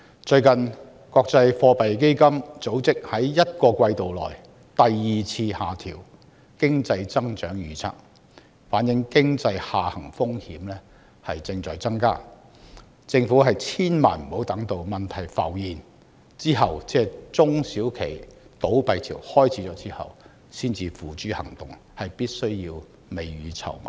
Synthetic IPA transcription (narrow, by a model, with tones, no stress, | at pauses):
t͡ʃɵ˧ɥkɐ˨n | kɔː˧k̚t͡sɐ˧jfɔː˧pɐ˨jk̬e˥jkɐ˥mt͡so˨˥wt͡sɪ˥k̚hɐ˨˥jːɐ˥t̚kɔː˧kʷɐ˧jt̪o˨wlɔ̰ː˨˩j | t̪ɐ˨jːiː˨t͡sʰiː˧haː˨t̪ʰiː˨˩w | kɪ˥ŋt͡sɐ˧jt͡sɐ˥ŋt͡ʃœː˨˥ŋjyː˨˧˥t͡sʰa̰˥k̚ | faː˨˥njɪ˨˥ŋkɪ˥ŋt͡sɐ˧jhaː˨hɐ˨˩ŋfʊ˥ŋhiː˨˥mlɛː˥ | hɐ˨jt͡sɪ˧ŋt͡sɔː˨jt͡sɐ˥ŋka̰ː˥ | t͡sɪ˧ŋfuː˨˥ɦɐ˨jt͡sʰiː˥nma̰ː˨˩nm̩˨˩ho˨˥wt̪ɐ˨˥ŋt̪o˧wmɐ˨nt̪ʰɐ˨˩jfɐ̰˨˩wjiː˨n | t͡siː˥ɦɐ˨wt͡sɛː˥t͡sʊ˥ŋsiː˨˥wkʰe˨˩jt̪o˨˥wpɐ˨jt̪ʰiː˨˩whɔː˥jt͡sʰiː˨˥t͡sɔː˨˥t͡sʰiː˥hɐ̰˨w | siː˥nt͡siː˨˧fuː˨˩t͡ʃyː˨˥hɐ̰˨˩ŋt̪ʊ˨˩ŋ | hɐ˨jpiː˥t̚sɵ˥ɥjiː˧w | me˨jɥyː˨˥t͡sʰɐ̰˨˩wmɐ̰˨˩